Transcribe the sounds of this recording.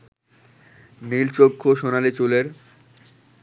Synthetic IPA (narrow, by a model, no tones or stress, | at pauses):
nilt͡ɕokʰːoʃonalit͡ɕuleɾ